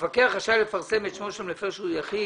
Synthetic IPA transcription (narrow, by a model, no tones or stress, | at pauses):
vakeaχaʃalefaʁsemet̪ʃmoʃamlefeʃujaχi